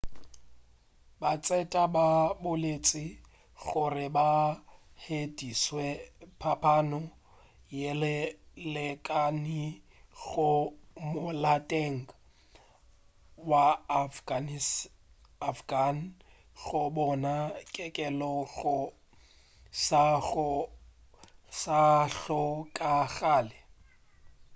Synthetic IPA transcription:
bat͡sʼɛtʼababʊlet͡sʼɪ | ɣʊrɪbahediswɛpʰapʰanɔ | jɪllɪkʼanɪ | ɣʊmʊlatʼeŋ̩ | wa | n | afɡan̩ | ɣʊbɔnakʼɛkʼɛlɔɣʊ | sa | saɬɔkʼaɣaːlɪ

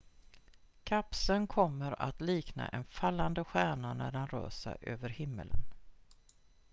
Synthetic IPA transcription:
kʰapsənkʰɔmːəɾa̰t̪liːkna̰ʔɛnfalːand̪əɧæːɳanæɖanɾø̰ːsa̰ʔøːvəɾhɪmːə̰lən

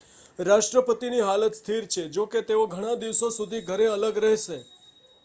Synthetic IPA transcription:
ɾaʃʈɾəpət̪iniɦalət̪st̪ʰiɾt͡ʃʰed͡ʒoket̪eoɡʱəɽ̃ãd̪iʋsosud̪ʱiɡʱəɾeələɡɾɛɦʃe

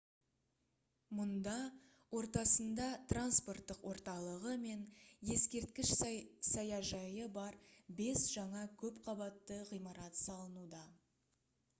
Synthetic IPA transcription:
mʊnd̪ɑ | wo̞ɾt̪ɑsənd̪ɑt̪ranspo̞rt̪ːəqwo̞ɾt̪ɑlˠəʁəme̞nje̞skʲe̞ɾt̪kʲɪʃsɑjɑʒɑjəbɑɾbe̞sʒ̥ɑɴɑkʲʰɵpqʰɑbɑt̪ːəʁijmɑɾɑt̪sɑlˠənud̪ɑ

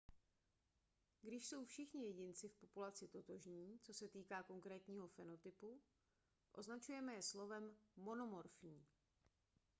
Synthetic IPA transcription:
ɡdɪʃso̞wfʃɪxɲɪjɛɟɪnt͡sɪfpo̞pulat͡sɪt̪o̞t̪o̞ʒɲiːt͡so̞sɛt̪iːkaːko̞ŋkɾɛːt̪ɲiːɦo̞fɛno̞t̪ɪpu | ʔo̞̰znat͡ʃujɛmɛjɛslo̞vɛmːo̞no̞mo̞ɾfɲiː

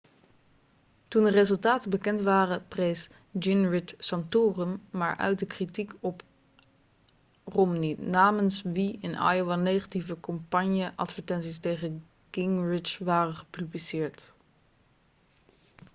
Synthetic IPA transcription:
tundərezɵlˠtaːtəbəkɛntʋaːrəprejs | d͡ʒɪnrɪtsɑntoːrəmːaːɹʔœ̰ɥt̚dəkritikɔp | romninaːmənsʋiɪnɑ̰joʋɛnejχativəkɔmpɑɲjəʔɑ̰tfəɹtɛnsistejχə | kɪŋrɪt͡ʃʋaːrəχəpyblisɪːɹt

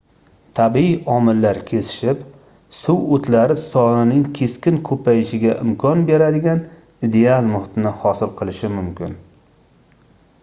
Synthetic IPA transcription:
t̪ʰabiiɒmɪlːaɾkʲʰe̞sɪ̥ʃɪp | suwot̪ʰlaɾɪsɒnɪnɪŋkʲʰe̞skʲɪnkʰɵpʰajɪʃɪɡʲaʔɪmkʰɒnbe̞ɾad̪ɪɡʲan | id̪e̞alˠmʊhɪt̪ɪnɪhɒsɪlˠqʰɨlˠɪʃɪmʊmkʲɪ̰n

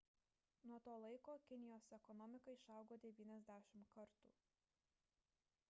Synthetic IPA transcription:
nuɔt̪oːlˠɐɪkoːkʲɪnʲɪjoːsɛkɔnɔmʲɪkɐɪʃɑˑʊɡoːd̪ʲɛʋʲiːnʲɛzʲd̪ʲæːʃʲɪmkɐɾt̪ṵː

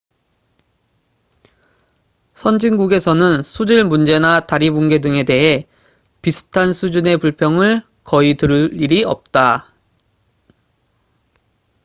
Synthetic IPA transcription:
sʰʌnd͡ʑinɡuɡe̞sʰʌnɯnsʰud͡ʑiɭmund͡ʑe̞nataɾiboŋɡe̞dɯŋe̞de̞ɦe̞ | pisʰɯ̥tʰansʰud͡ʑune̞puɭpʰjʌŋɯɭ | kʌitɯɾɯiɾiʌ̰p̚t͈a

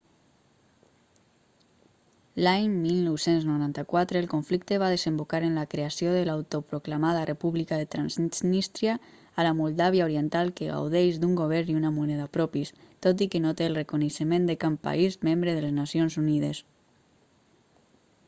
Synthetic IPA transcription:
laɲmilnɔwsenznoɾant̪akwat̪ɾeːlˠkoɱflik̚t̪eβaðezembokaɾenlakɾeasioðelawt̪opɾoklamaðarʔepuβlikaðet̪ɾanzznist̪ɾjaː | lamulˠd̪aβjaoɾient̪alˠkeɣa̰wðejʒd̪uŋɡoβ̞ɛɾniunamunɛðapɾɔpist̪ot̪̬ikenot̪eːlˠrekuneʃəmẽnd̪ekampa̰izmembɾeðeleznasjonzuniðḛs

